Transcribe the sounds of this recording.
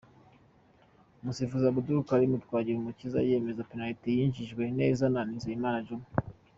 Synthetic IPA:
musifuzaβuduɾukaɾimutwaːɟiɾumuciza̰je̞ːme̞zapenalitejiːɲʒiʒɡwe̞nḛzananizaimaːnaʒumu

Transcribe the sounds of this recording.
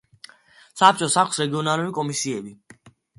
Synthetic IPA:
sap̚t͡ʃʼɔsakʷʰsɾɛɡiɔnaluɾikʼɔmisiɛbi

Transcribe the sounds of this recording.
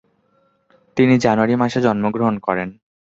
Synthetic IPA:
t̪inid͡ʑanuaɾimaʃed͡ʑɔnmoɡɾoɦonkɔɾen

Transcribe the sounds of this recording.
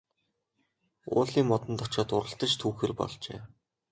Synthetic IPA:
ʊ̰ːɮiːŋmɔt̪ɞ̆nt̪ʰɔt͡ɕɔːt̪ʊɾə̆ɬt̪ə̆t͡ɕt̪ʰuːxeːrpɔ̰ɮt͡ɕḛː

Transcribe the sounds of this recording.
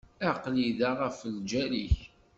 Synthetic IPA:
æqliðaʁəfəld͡ʒæliç

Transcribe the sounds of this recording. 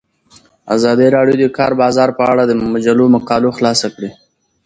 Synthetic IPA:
a̰zɑd̪iɾɑɽjod̪əkɑɾbɑzɑɾpəaɽad̪əmad͡ʒalomaqɑloxlɑsakɽi

